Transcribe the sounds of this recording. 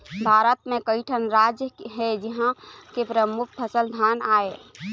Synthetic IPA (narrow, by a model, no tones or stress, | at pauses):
bʱaɾət̪̚mẽkəɪʈʰənɾad͡ʒjəɦed͡ʒiɦãkepɾəmuk̚ʰpʰəsəld̪ʱanae